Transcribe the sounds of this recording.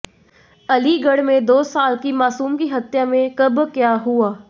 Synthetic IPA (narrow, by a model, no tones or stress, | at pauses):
ɐliɡəɽmẽd̪oːsaːlkimaːsuːmkiɦɐt̪jamẽkɐbkjaːɦuaː